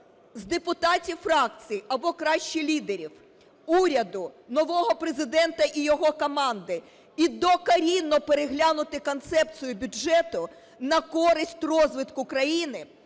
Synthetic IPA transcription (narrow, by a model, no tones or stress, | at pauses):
zd̪epʊt̪ɑtʲiwfɾɑk̚t͡sʲijʔɐbɔkɾɑʃt͡ʃilʲid̪eɾʲiw | uɾʲɐd̪ʊnɔʋɔɦɔpɾezɪd̪ɛnt̪ɐʔijɔɦɔkɔmɑnd̪ɪ | id̪ɔkɐɾʲinːɔpeɾeɦlʲanʊt̪ɪkɔnt̪sɛp̚t͡s̪ʲijʊbʲʊd͡ʒɛt̪ʊ | nɐkɔɾɪsʲtʲrɔzʋɪt̪kʊkɾɐjinɪ